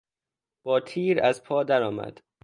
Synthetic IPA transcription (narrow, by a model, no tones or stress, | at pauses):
b̥ɒːt̪ʰiːɾæzpʰɒːd̪æɾɒːmæ̰d̪̥